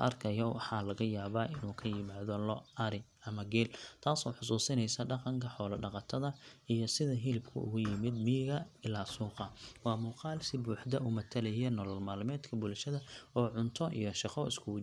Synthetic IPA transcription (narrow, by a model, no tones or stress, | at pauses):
ʔɐ̰rkʰɐjɔwɑħɑːlɐɣɐjaːβaːʔɪnuːkʰɐjɪmaːðɔlɔɐɾɪ | ɐmɐɡɛːlt̪ʰaːsɔːħʊsuːsɪnɛjsɐɖɑqɑŋkʰɐħɔːlɐɖɑqɑt̪ʰɐðɐijɞsɪðɐɦɪlbkʰʊ̰ʔʊ̰ɣʊjɪmɪd̪mɪjɪɣɐɪlaːsuːqɑwɑːmuːqɑːlsɪbuːħd̪ɐʊmɐt̪ʰɐlɛjɛnɔlɔlmaːlmɛːd̪kʰɐbʊlʃɐðɐɔːʕʊnt̪ʰɔʔḭjɔʃɑqɔɪskʰʊwʊ